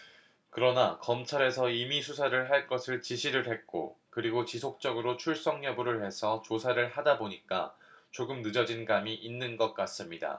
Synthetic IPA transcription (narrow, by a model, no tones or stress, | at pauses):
kɯɾʌnakʌmt͡ɕʰaɾe̞sʰʌimisʰusʰaɾɯɭɦaɭk͈ʌsʰɯɭt͡ɕiɕʰiɾɯɭɦe̞t̚k͈o̰kɯɾiɡot͡ɕisʰok̚t͡ɕ͈ʌɡɯɾot͡ɕʰuɭs͈ʌŋɲʌbuɾɯɭhe̞sʰʌt͡ɕosʰaɾɯɭhadaboɲik͈a̰ | t͡ɕoɡɯmnɯd͡ʑʌd͡ʑinɡamiʔinːɯnɡʌk̚k͈as͈ɯmɲida̰